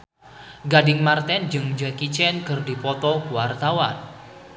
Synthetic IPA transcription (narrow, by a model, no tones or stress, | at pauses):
ɡadɪŋmart̪ɛnd͡ʒəŋd͡ʒɛkit͡ʃɛnkərdipɔt̪ɔkuwart̪awan